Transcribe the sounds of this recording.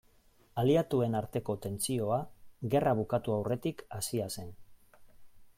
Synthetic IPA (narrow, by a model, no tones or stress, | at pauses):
aliat̪ue̞naɾt̪e̞ko̞t̪e̞nt͡sio̞aɣe̞raβ̞ukat̪uawre̞t̪ikasiase̞n